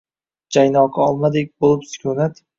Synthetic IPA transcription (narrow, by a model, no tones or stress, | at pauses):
d͡ʒajnɒqʰɑɒlˠmad̪ek̚ʲbolˠɪpsɪ̥kʲʰonat̪